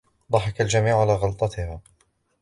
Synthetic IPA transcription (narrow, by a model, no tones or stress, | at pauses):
d̪ˤɑħɑkald͡ʒamiːʕʕalaːɣɑlt̪ˤɑt̪ɪhaː